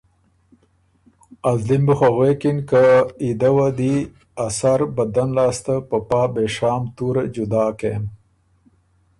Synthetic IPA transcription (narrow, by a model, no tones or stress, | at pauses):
azlimbuxaɣwekinkaid̪awad̪i | asaɾbad̪anlɑːst̪apəpɑːbeʃɑːmt̪uɾad͡ʒʊd̪ɑːkem